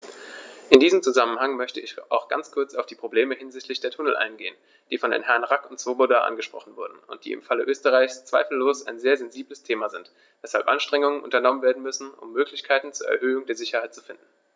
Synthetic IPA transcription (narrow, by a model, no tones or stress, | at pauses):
ʔɪndiːzəmt͡suzamənhaŋmœçtəɪçʔaʊxɡ̥a̰nt͡skʰʊɐt͡saʊfd̥iːpʁ̥obleːməhɪnzɪçtʰlɪçd̥eːɐtʰʊnəl̩ʔa̰ɪnɡeːən | d̥iːfɔndḛːnhɛɐnʁakʊntt͡sv̥obodaːʔa̰nɡəʃpʁ̥ɔ̰χn̩vʊɐdn̩ʊ̰nt̚d̥ḭːɪ̰mfaləʔøːstəʁaɪçst͡sv̥aɪfl̩ːoːsaɪnzeːɐzɛnziːbləstʰeːmazɪnt | vɛsha̰lpʔa̰nʃtʁ̥ɛŋʊŋənʔʊ̰ntɐnɔmənveːɐdn̩mʏsn̩ʊ̰mːøːklɪçkʰaɪtn̩t͡suːɐʔɛ̰ɐɦøːʊŋdeːɐzɪçɐhaɪt̚t͡sufɪndn̩